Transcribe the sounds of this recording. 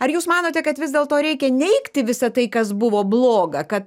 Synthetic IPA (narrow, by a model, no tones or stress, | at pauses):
ɐɾjuːsmɑːnoːt̪ʲɛkɐt̪ʋʲɪzd̪ʲeːlˠt̪oːɾʲɛɪkʲɛnʲɛɪkt̪ʲɪʋʲɪsɐt̪ɐɪkɐsbʊʋoːblˠoːɡɐkɐt̪